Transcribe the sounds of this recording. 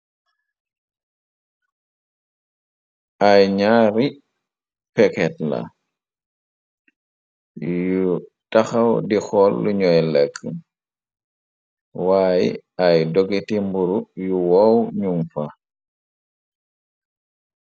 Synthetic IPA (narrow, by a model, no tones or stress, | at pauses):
ʔajɲaːɾi | pɛkɛtla̰ | ju | taxawdixɔlːuɲɔjlekʰː | wajḭʔajdoɡitimbuɾujuwɔwɲuŋfa